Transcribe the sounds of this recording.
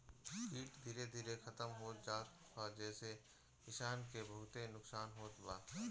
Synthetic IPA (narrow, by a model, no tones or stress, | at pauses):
kʰiːʈd̪ʱiːɾed̪ʱiːɾexʰɐt̪əmɦoːd͡ʒaːt̪ | ad͡ʒɛːse | kɪʃaːnkebəɦʊt̪enʊksaːnɦoːt̪baː